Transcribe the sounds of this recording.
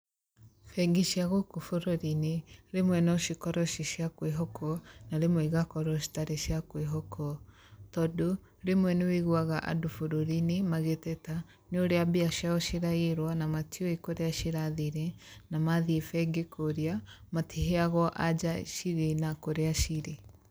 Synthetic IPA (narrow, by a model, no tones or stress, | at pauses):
fɛɡiʃjaɣokufoɾoɾineɾemwɛnɔʃikɔɾɔʃiʃjakweɦɔkʰɔnaɾemwɛiɣakɔɾɔʃi̥taɾeʃjakweɦɔkʰɔ | tɔdo | ɾemwɛneweɣwaɣaʔa̰dofoɾoɾinimaɣetɛta | noɾeabeaʃjaɔʃiɾaeɾwanamatiɔekoɾeaʃiɾaðiɾenamaðiefɛɡekʰoɾiamatiɦeaɣɔʔa̰d͡ʒaʃiɾenakoɾeaʃiɾe